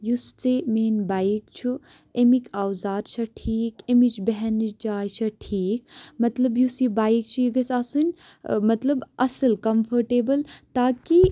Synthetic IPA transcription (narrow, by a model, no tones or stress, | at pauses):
just͡semeːnbaːjkt͡ʃʰu | emikʲawzaːd̪t͡ʃʰɐʈʰiːkemit͡ʃbɛɦɛnit͡ʃd͡ʒaːjt͡ʃʰɐʈʰiːk̚mɐt̪lɐbjusibaːjk̚t͡ʃʰuiɡɐsaːsɨnʲ | mɐt̪lɐbɐsəlkɐmfʰɐɾʈeːbəlt̪aːki